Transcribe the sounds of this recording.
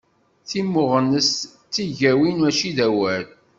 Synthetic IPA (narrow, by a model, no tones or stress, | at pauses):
θimːʊʁənəs | t͡s̪ːiʝæwinæʃiðæwæl